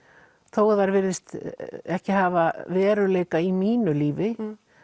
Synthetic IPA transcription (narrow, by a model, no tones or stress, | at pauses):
θowðaɾvɪɾðɪst̪ɛhcɪɦaːvavɛːɾʏleːjkaimiːnʏliːvɪ